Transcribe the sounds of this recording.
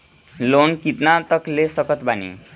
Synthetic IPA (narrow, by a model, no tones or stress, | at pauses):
lonkit̪nat̪ʌklesʌkʌt̪banḭ